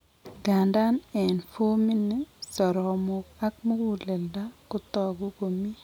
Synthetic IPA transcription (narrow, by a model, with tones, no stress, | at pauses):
ɡa˨nda˦nɛ˨nfo˦mi˦ni˦sɔ˨ɾɔ˨mʊ˨ka˦k̚mo˦wu˨lɛ˨lda˦kʊ˦t̪ɔ˨ɡo˦ko˨mi˦